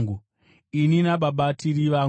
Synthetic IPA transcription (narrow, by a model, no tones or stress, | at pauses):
ɡu | ininaɓaɓatiɾiʋa